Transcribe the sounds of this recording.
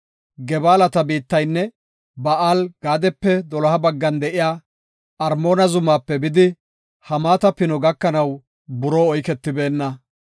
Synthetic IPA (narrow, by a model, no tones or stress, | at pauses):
ɡɛbaːlɐt̪ɐbiːt̪ːɐjnːɛ | bɐaːlɡ̥aːd̪ɛpːɛd̪ɔlɐhɐbɐɡːɐnd̪ɛʔɪjaː | ɐɾmoːnɐzʊmaːpːɛbɪd̪ɪ | hɐmaːt̪ɐpɪnɔɡɐkːɐnɐw | bʊɾoːɔjkɛt̪ːɪbe̞ːnːɐ